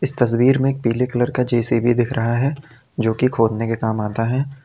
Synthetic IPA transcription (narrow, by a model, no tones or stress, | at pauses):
ɪst̪ɐs̬wiːɾmẽeːk̚piːlekləɾkad͡ʒeːsebʱid̪ɪkʰɾʔɐɦaɦɛ | d͡ʒoːkikʰoːd̪nekekaːmaːt̪aɦɛː